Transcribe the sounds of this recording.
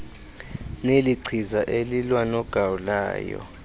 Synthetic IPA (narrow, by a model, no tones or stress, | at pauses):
neliǀʰizaʔelilwanɔɡ̥ʱawula̰ːjɔ̰